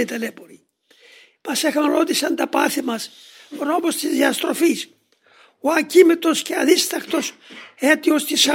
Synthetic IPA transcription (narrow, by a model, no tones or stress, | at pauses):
it̪elepoɾi | mɐsexɐnɾo̞t̪isɐnd̪ɐpɐθimɐs | ono̞most̪izðiɐst̪ɾo̞fis | oɐcimet̪o̞sceɐðist̪ɐxt̪o̞set̪iost̪isɐ